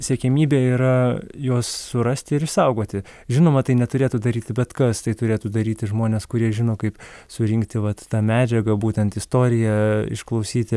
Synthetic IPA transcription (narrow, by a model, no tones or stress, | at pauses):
sʲɛkʲɛmʲiːbʲeːiːɾɐjoːsːʊɾɐsʲt̪ʲɪɪɾɪʃsɐʊɡoːt̪ʲɪʒʲɪnoːmɐt̪ɐɪnʲɛt̪ʊɾʲeːt̪uːd̪ɐɾʲiːt̪ʲɪbʲɛt̪kɐst̪ɐɪt̪ʊɾʲeːt̪ud̪ɐɾʲiːt̪ʲɪʒmoːnʲeːskʊɾʲiɛʒʲɪnoːkɐɪpsʊɾʲɪŋkt̪ʲɪʋɐt̪ːɑːmʲæːd͡ʒʲɛɡɐbuːt̪ʲɛnt̪ɪst̪oːɾʲɪjɛɪ̰ʃklˠɐʊsʲiːt̪ʲɪ